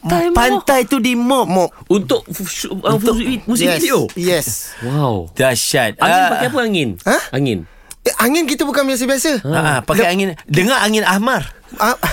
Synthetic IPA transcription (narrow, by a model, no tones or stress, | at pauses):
pannt̪ajt̪udimɔpmɔp̚unt̪ʊʔəfsmusɪɛd̪iojɛswawd̪̥aʃat̪̚aə̃npaajapəaŋɪnãaŋɪ̰n | ʔaŋɪnkit̪əbukanbias̬əbiasəãʔapalkajaŋɪndəŋaaŋɪnahmar | a